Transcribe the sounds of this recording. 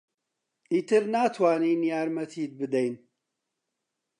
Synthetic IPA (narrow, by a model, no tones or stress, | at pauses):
it̪ʰɨɾnaːt̪ʰwaːniːnjaːɾmɐt̪ʰiːd̪̚bɨd̪ɐjn